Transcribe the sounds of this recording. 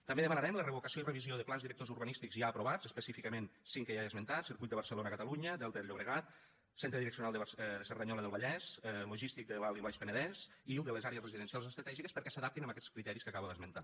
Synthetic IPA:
t̪əmbeðəmənəɾɛmlərəβokəsjoirəβizioðəplanzðiɾək̚t̪ozuɾβənist̪ikzʒaəpɾuβad͡zəspəsifikəmensiŋkəjaəzmənt̪at̪siɾkujt̪əβəɾsəlonəːkət̪əluɲəd̪əlˠt̪eʎoβɾəɣat̪ | sent̪ɾəðiɾəksiunalˠd̪əβsəɾðəɲɔləðəlˠβəʎɛsluʒist̪ik̚d̪əlaliβaʃpənəðɛs | ilˠd̪ələzaɾeəsrəziðənsialˠzəst̪ɾət̪ɛʒikəspəɾkɛsəðap̚t̪inəməkɛt͡skɾit̪ɛɾiskəkaβəðəzmənt̪a

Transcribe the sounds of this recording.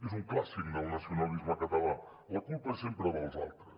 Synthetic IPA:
izũŋklˠasikunɐlˠnɐsjunalˠd̪iʒũɐkɐt̪ɐlˠa | ɐkulˠpɐsẽmpɾɐβalˠza̰lˠt̪ɾɐ

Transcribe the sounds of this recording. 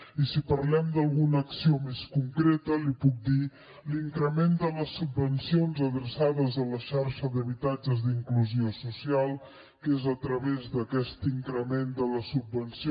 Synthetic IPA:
isipəɾlɛmd̪əlˠɣunəːksiomeskuŋkɾet̪əlipuk̚d̪i | liŋkɾəmend̪ələsubːənsionzəðɾəsaðəzələʃaɾʃəðəβit̪ad͡ʒəzd̪iŋkluziosusialˠ | kezət̪ɾəβezd̪əkɛst̪iŋkɾəmend̪ələsubːənsi

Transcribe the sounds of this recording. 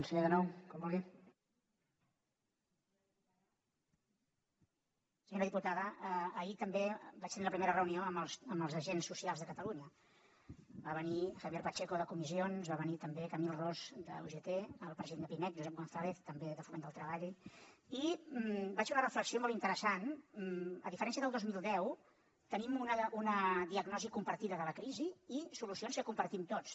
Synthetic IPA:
nseaðənɔwkɔmoli | səɲoɾəðiput̪aðəəːit̪əmbebat͡ʃt̪əniləpɾimeɾərəunioəməlsəməlˠzəʒensːusialˠzðəkət̪əluɲə | baβənixəβjɛɾpət͡ʃekoðəkumizionzβaβənit̪əmbekəmilˠrozd̪ə̰uʒet̪eəlˠpɾəziðenəpinɛt̪ʒuzɛp̚ɣonθaleθt̪əmbeðəfumẽnd̪əlˠt̪ɾəβaʎ | i | bat͡ʃunərəfləksiomɔlˠt̪int̪əɾəsan | ə̰ðifəɾɛnsiəðəlˠd̪ozmilˠd̪ɛw | t̪ənimunəʔunəðiəɡnɔzikumpəɾt̪iðəðələkɾiziːsulusionskəkumpəɾt̪imt̪ot͡s

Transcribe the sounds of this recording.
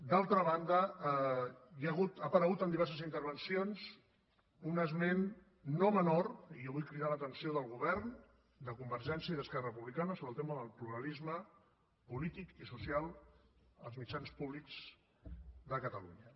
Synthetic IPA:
d̪alˠt̪ɾəβand̪ə | jəɣut̪apəɾəɣut̪ənd̪iβɛɾs̬əzint̪əɾβənsionz | unəzmenː | omənoɾijoβujkɾiðalət̪ənsioðəlˠɣuβɛɾn | d̪əkumbəɾʒɛnsjiəiðəskɛrərəpuβlikanəsoβɾəlˠt̪eməðəlˠpluɾəlizmə | pulit̪ikisusialˠ | əlˠzmit͡ʃanspuβlikz̥ | d̪əkət̪əlṵɲə

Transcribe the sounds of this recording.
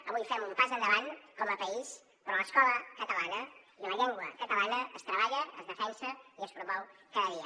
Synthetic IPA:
əβujfɛmumpazənd̪əβankɔməpəis | pɾɔləskɔləkət̪əlanə | iləʎɛŋɡwəkət̪əlanəəst̪ɾəβaʎəəzðəfɛnsəiəspɾumɔwkəðəðiə

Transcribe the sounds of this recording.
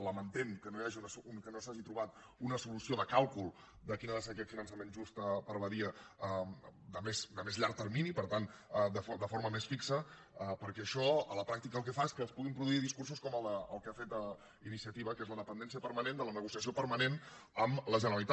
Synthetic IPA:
ləmənt̪eŋkənojaʒiunəsukənosaʒit̪ɾuβat̪ | unəsulusioðəkalˠkulˠ | d̪əkinaðəseəkɛt̪finənsəmenʒust̪əpəɾβəðiəəd̪əmesd̪əmezʎaɾk̚t̪əɾminipəɾt̪and̪əfod̪əfoɾməmesfiksə | əpəɾkɛəʃɔələpɾak̚t̪ikəlˠk̬ɛfaeskəːspuɣ̞impɾuðuiðiskurs̬uskɔməlˠd̪əəlˠkafet̪ə | inisiət̪iβəkezləðəpənd̪ɛnsiəpəɾmənend̪ələnəɣusiəsiopəɾmənen | əmləʒənəɾəlit̪a

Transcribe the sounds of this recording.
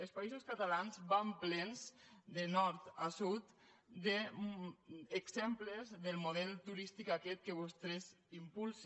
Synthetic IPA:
elspaizoskat̪alanzβamplɛnzd̪enɔɾt̪asut̪ | d̪e | kzɛmplezðelˠmuðɛlˠt̪uɾist̪ikakɛt̪̚keβɔst̪ɾez | impulˠs

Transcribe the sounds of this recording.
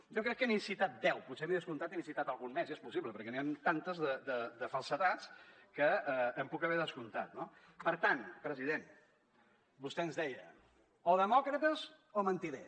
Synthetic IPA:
ʒɔkɾɛkːənisit̪at̪̚d̪ɛwput̪seβiðəskunt̪at̪inisit̪at̪əlˠɣunmɛziɛspusiβləpəɾkɛniant̪ant̪əzðəd̪əd̪əfəlˠsət̪at͡skəəːmpukəβɛðəskunt̪at̪no | pəɾt̪anpɾəziðen | bust̪ɛənzðɛjə | oðəmɔkɾət̪əz | omənt̪iðɛ

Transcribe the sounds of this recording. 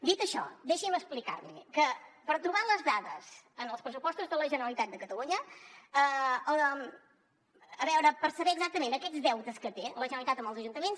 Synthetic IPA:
d̪it̪əʃɔ̰d̪eʃiməsplika̰ɾlḭkəpəɾt̪ɾuβaləzðaðəzənəlˠspɾəsupɔst̪uzðələʒənəɾəlit̪at̪̚d̪əkət̪əluɲəə | βɛwɾəpəɾsəβɛːɡzak̚t̪əmẽnəkɛd͡zðɛwt̪əskət̪eləʒənəlit̪at̪əmbəlˠzəʒunt̪əmens

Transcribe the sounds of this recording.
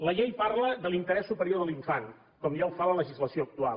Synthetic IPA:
ləʎejparləðəlint̪əɾɛsːupəɾioðəlˠiɱfan | kɔmʒawfalələʒizləsioək̚t̪ua̰l

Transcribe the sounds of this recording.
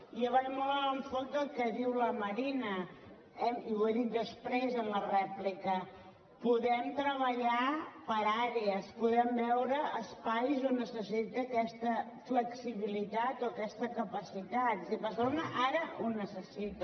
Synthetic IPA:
iəβaɾmɔlˠəəɱfɔd̪əlˠkɛðiwləməɾinə | ɛmiwəɾik̪d̪əspɾezənlərɛplikə | puðɛmt̪ɾəβ̞əʎapəɾaɾeəspuðɛmbɛwɾəəspajzonːəsəsit̪əkɛst̪ə | fləksiβilit̪at̪oəkɛst̪əkəpəsit̪at̪zipəsonəʔaɾəʔunəsəsit̪

